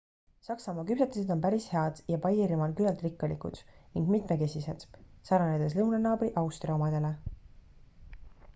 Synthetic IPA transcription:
sɑksɑmɑːkypset̪ːˑised̪̥o̞npæɾishe̞ɑd̪̥jɑpɑjiːɾimɑlkylɑlt̪ˑrikːɑlikṵd̪̥niŋɡ̥mit̪me̞ke̞sise̞d̪̥sɑɾɑned̪es̬lɤuwnɑnɑːbriʔɑwst̪riomɑd̪̥e̞le̞

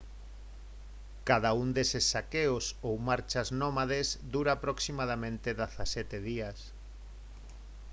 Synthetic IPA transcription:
kaðaund̪esesːakeosowmaɾt͡ʃaznɔmaðesd̪uɾaːpɾoksimað̞amẽnt̪eðaθasɛt̪eð̞ias

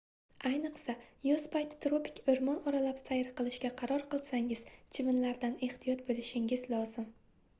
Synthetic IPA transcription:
ajnɨqsajʊzpʰajt̪t̪ɾopʰɪ̥kʲʰɵɾmɒnɒɾalapsajɪɾqɨlˠɪʃɡʲaqʰɑɾɒɾqɨlˠsaŋɪz̥t͡ʃʰɪvɪnlaɾd̪ane̞ht̪ʰijɒt̪̚bolɪʃɪŋɪzlˠɒzɪm

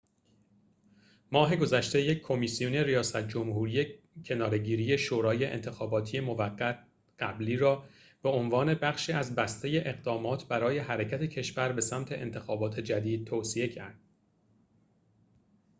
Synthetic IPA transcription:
mɒːɦe̞ɡo̞zæʃt̪e̞jecʰkʰo̞misijuneɾijɒːsæt̪̚ʰd͡ʒo̞mhuːɾije | cʰe̞nɒːɾe̞ɟiːɾije̞ʃoːɾɒːje̞ʔḛnt̪ʰe̞xɒːbɒːt̪ʰije̞mo̞væɢːæt̪ | ɢ̥æbliːɾɒː | b̥e̞onvɒːne̞bæχʃiːæzbæst̪e̞je̞ʔe̞ɣd̪ɒːmɒːt̪ʰbæɾɒːje̞ɦæɾecʰæt̪ʰe̞cʰe̞ʃvæɾbe̞sæmt̪ʰe̞ʔḛnt̪ʰe̞xɒːbɒːt̪ʰe̞d͡ʒæd̪iːd̪̥̚t̪ʰoːsie̞cʰæ̰ɾd̪̥̚

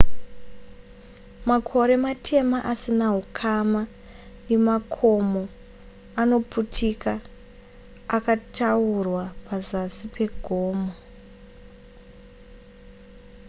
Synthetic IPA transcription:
makʰo̞ɾe̞matʰe̞maʔasinaɦukʰama | nemakʰo̞mo | ano̞putʰika | katʰaurwapʰazasipʰe̞ɡʱoːmo

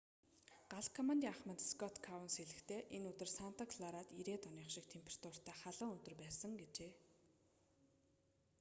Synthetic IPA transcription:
ɢ̥aɮkʰɔmant̪iŋaχmə̆nt̪skʰɔt̪kʰawə̆nseɮɘ̆xt̪ʰeːʔenɵt̪ɵ̆rsan̥t̪akʰɮaɾaːt̪iɾeːt̪ɔniːχʃɪ̆k̚t̪ʰempʰe̥r̥t̪ʰʊr̥t̪ʰæːχaɮə̆ːŋɵt̪ɵ̆rpæːsə̆ŋɡet͡ɕeː

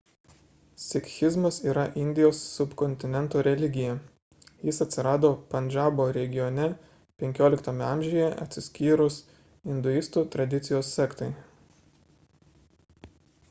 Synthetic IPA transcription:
sʲɪkʲxʲɪzmɐsiːɾɐʔɪnʲd̪ʲɪjoːsːʊpkɔnʲt̪ʲɪnʲɛnt̪oːɾʲɛlʲɪɡʲɪjɛ | jɪsɐt̪ʲsʲɪɾɑːd̪oːpɐnʲd͡ʒʲɑːboːɾʲɛɡʲɪjɔnʲɛ | pʲɛŋʲkʲoːlʲɪkt̪omʲɛɐmʲʒʲɪːjɛʔɐ̰t̪ʲsʲɪsʲkʲiːɾʊs | ɪnd̪ʊɪst̪uːt̪ɾɐd̪ʲɪt̪sʲɪjoːsːʲɛkt̪ɐɪ

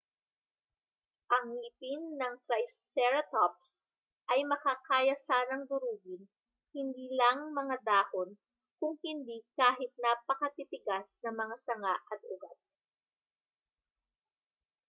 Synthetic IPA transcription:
ʔɐŋlɪpɪnːɐŋkɾajstɛɹɐt̪op̚s | ʔɐjmɐkakaːjɐsaːnɐŋd̪ʊɾuːɡɪn | hɪnd̪iːlɐŋmɐŋad̪aːhon | kʊŋhɪnd̪ikaːɦɪt̪̚napɐkɐt̪it̪ɪɡasnɐŋmɐŋasɐŋaʔɐt̪̚ʊ̰ɡa̰t̪̚

